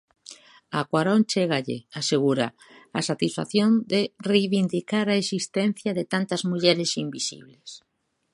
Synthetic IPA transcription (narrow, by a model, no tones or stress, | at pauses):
akwaɾõnt͡ʃeɣaʎɪ̰aseɣuɾa̰ | asat̪isfa̰θjond̪erejβind̪ikaɾaesist̪ɛn̟θjɐðet̪ant̪ɐzmuʎɛɾɪsimbisḭβles